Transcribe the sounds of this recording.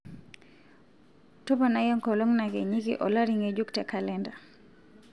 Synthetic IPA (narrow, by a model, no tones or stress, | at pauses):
tɔbanajɔŋkɔlɔŋnaɡɛɲikḭʔɔlaɾiŋed͡ʒuktakalɛnda